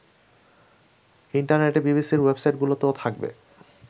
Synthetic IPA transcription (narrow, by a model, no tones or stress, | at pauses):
iɳʈaɾneʈebibisiɾwebsajʈ̚ɡulot̪eot̪ʰak̚bḛ